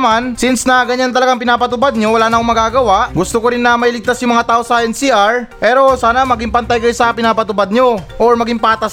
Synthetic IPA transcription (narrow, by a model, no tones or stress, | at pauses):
mansɪnsnɐɡɐɲant̪ɐlɐɡaŋpɪnaːpɐt̪ʊpad̪̚ɲo̞wɐlaːnɐkomɐɡaːɡɐwaʔɡʊst̪okoɾɪnːɐmɐilɪɡ̚t̪asjʊŋmɐŋat̪aːʔo̞sɐʔɛnsiːʔaɹpɛːɾo̞saːnɐmɐɡɪŋpɐnt̪ajkɐjosɐpɪnaːpɐt̪ʊpad̪̚ɲo̞ʔoɹmɐɡɪŋpaːt̪ɐ